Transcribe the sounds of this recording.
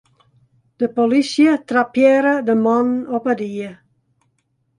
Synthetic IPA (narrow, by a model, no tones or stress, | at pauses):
d̪̥əpolisiət̪ɾapjɛɾəd̪əmɔnɔpad̪iːə